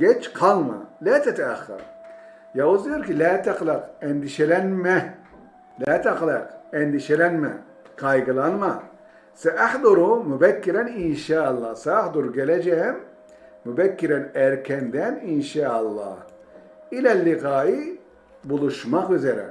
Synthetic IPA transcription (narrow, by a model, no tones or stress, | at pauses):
ɡ̥ɛt͡ʃqʰɑlˠmɑ̰læːt̪ʰæt̪ʰɛːχːɯ̰ɾ | jauzd̪ijoɾkilæːt̪ʰæqlɑqɛnd̪iʃɛlænmɛ | læːt̪ʰæqlɑqɛnd̪iʃɛlænmɛ̰ | ɡɑjɡɯlˠɑnmɑ | sɛʔæħd̪uɾumubækːiɾɛninʃaːɑlˠːɑsɛːhd̪uɾɡɛlɛd͡ʒɛmː | ubækːiɾɛnæɾkʰɛnd̪æninʃaːɑlˠːɑ̰h | ilælːiɣaːi | bulˠuʃmɑqvyzɛɾɛ̰